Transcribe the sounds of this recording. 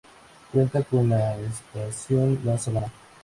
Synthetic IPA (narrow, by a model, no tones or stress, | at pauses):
kwent̪akonlaespeasjond̪asemana